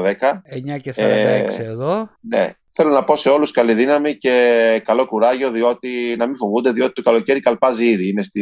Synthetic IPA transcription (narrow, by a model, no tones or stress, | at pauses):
ðekɐeɲɐceeseðonḛ | θe̞lo̞nɐpo̞se̞o̞luskɐliðinɐmice̞kɐlo̞kuɾɐʝo̞ðio̞t̪inɐmiɱfovund̪e̞ðio̞t̪i̥t̪o̞kɐlo̞ce̞ɾikɐlpɐziiðiine̞st̪i